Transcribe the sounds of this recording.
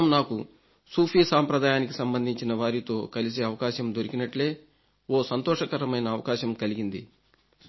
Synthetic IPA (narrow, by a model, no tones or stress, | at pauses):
ɐmnaːku | suːpʰiːsaːmpɾɐd̪aːjaːniki̥sɐmbɐnd̪ʱiɲt͡ʃinɐʋaːɾit̪o̞ːkɐlis̬eɐʋɐkaːʃɐmd̪o̞ɾikinɐʈle̞ː | o̞ːsɐnt̪ɔːʂɐkɐɾɐmɐjnɐːʋɐkaːʃɐmkɐliɡind̪ḭ